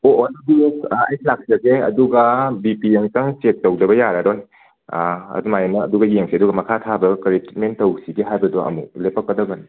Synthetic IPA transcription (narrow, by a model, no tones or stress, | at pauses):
oʔdbiesajslak̚zɐɡeɐ̰duɡɐbipieŋsaŋt͡ʃek̚towdɐbɐjaɾaɾoj | ɐ̰dumajenɐːduɡɐjeŋsʰiɐduɡɐmɐkʰatʰabɐkɐɾitmentɐwsiɡiɦajbɐdoʔɐ̰mulepakːɐdɐɡɐn